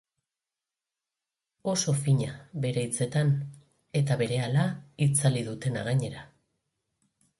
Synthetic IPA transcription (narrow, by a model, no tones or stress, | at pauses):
o̞so̞fiɲaβe̞ɾeit͡se̞t̪an | e̞t̪aβe̞ɾe̞alait͡saliðut̪e̞na̰ɣaɲe̞ɾa